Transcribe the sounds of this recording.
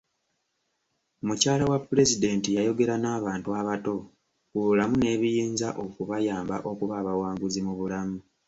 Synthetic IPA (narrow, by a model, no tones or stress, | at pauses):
mucaːlawapːuɾe̞zide̞ːntijajo̞ɡe̞ɾanaːβaːntuaβato̞ | kuβulamune̞ːβijiːnzaʔo̞kuβajaːmbaʔo̞kuβaːβawaːŋɡuzimuβulamu